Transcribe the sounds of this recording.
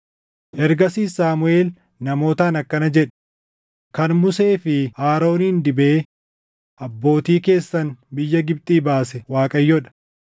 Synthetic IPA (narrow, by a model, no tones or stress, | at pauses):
ʔɛɾɡɐsiːsaːmʊe̞ːl | nɐmo̞ːt̪aːnɐkːɐnɐd͡ʒɛᶑ | kɐnmʊse̞ːfɪaːɾo̞ːniːnd̪ɪbeː | ʔɐbːo̞ːt̪iːke̞ːsːɐnbɪjːɐɡɪb̚t̪ʼiːbaːsɛwaːkʼɐjːɔᶑɐ̥